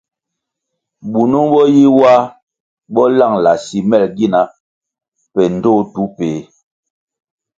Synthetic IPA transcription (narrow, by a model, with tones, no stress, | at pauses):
ɓu˨nu˦ɓɔ˦ji˦wa˦ | ɓɔ˦la˦˨ŋla˨si˨mɛ˦˨lɡi˦na˦ | pɛ˨n̩˨do˦tu˨˦peː˨˦